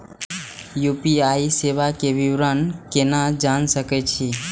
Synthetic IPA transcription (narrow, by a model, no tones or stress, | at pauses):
jupiaiseʋakeʋiʋɾənkenad͡ʒansəkɛt͡ʃʰi